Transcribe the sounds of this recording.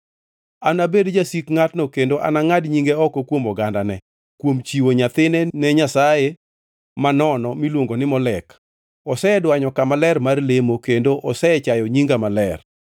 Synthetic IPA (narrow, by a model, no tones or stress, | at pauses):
anabedd͡ʒasikŋatnɔkendoʔa̰naŋadɲiŋɡɛɔkokwomɔɡandanɛ | kwomt͡ʃiwoɲat̪ɪnɛnɛɲasaje | manɔnɔmilwoŋɡonɪmɔlɛk | ɔsɛɛdwaɲɔkamalɛrmarlemokendoʔɔsɛɛt͡ʃajɔɲiŋɡamalɛr